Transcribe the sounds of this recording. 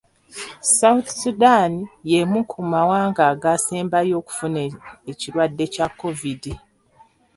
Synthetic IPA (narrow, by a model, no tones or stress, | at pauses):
sawut̪sudanijemukʰumawaːŋɡaːɡaːseːmbajo̞ːku̥funeeciɾwadːe̞cakːo̞vidi